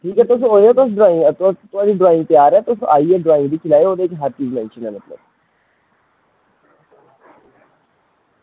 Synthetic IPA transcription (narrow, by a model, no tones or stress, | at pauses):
ʈʰiːkɦɛːt̪ʊs̬õoːd̪ɛːt̪ʊsɖɾaːɪ̃ŋɡt̪ːt̪ʊaːɽiːɖɾaːɪ̃ŋɡ̚t̪ɪaːɾɛːt̪ʊsõʔaːiɛːɖɾaːɪ̃ŋɡd̪iːkʰɪlaːeoːd̪eːkɦəɾt͡ʃiːzmɛ̃ːnʃənɦɛ̃ːmət̪lə̰b